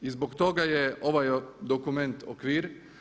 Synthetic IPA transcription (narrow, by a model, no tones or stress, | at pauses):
izbokt̪oɡajɛoʋajd̪okument̪ʰo̰kʋiːɾ